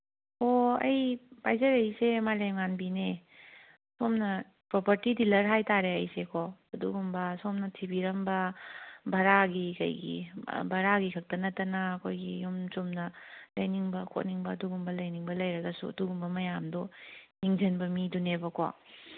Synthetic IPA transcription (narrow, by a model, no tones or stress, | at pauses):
oɐjpajzɐɾɐjsemajlemŋanbine | somnɐ | pɾopɐɾtidilɐɾɦajtaɾeɐjsekʰoɐduɡumbɐsomnɐtʰibiɾɐmbɐbʱɐɾaɡikɐ̰jɡḭbʱɐɾaɡikʰɐk̚tɐnɐtɐnɐːkʰojɡijumt͡ʃumnɐlɐjniŋbɐkʰo̰t̚niŋbɐɐduɡumbɐlɐjniŋbɐlɐjɾɐɡɐsṵɐ̰duɡumbɐmɐjamdɔniŋzɐnbɐmidunebɐkʰo̰